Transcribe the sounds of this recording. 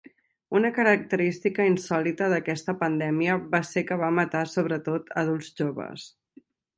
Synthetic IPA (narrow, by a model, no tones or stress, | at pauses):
unəkəɾək̚t̪əɾist̪ikəinsɔlit̪əðəkɛst̪əpənd̪ɛmiəβasekəβ̞amət̪asoβ̞ɾət̪ot̪ʰəð̞ulˠzʒoβə̰s